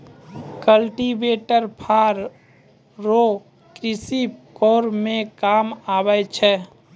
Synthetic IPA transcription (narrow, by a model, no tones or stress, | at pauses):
kəlʈibeːʈəɾpʰaːɾː | o | kɾɪsipkɔːɾmẽkaːmaːbəjt͡ʃʰɛː